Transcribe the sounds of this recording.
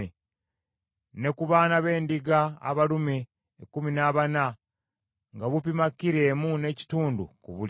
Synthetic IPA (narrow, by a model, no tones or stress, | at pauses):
e | ne̞kuβaːnaβe̞ːndiɡa̰ːβalumeː | kːuminaːβana | ŋɡaβup̬imakːiɾe̞ːmune̞ci̥tuːndṵkuβul